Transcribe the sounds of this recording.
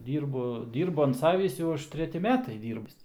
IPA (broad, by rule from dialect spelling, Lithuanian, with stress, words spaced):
ˈdʲiːrbʊ ˈdʲiːrbʊ ɐn ˈsɑːʋʲiːs ˈjɛʊ ˈɐʃ tʲrʲɛˈtʲɪ ˈmʲæːtɐɪ ˈdʲiːrʲbʲɪs